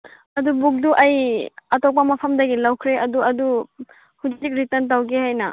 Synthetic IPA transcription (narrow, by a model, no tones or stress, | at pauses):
ɐdubuk̚duʔɐjɐtɔk̚pɐmɐpʰɐmdɐɡilawkʰɾeʔɐduɐdu | hud͡ʒik̚ɾitɐntawɡehajnɐ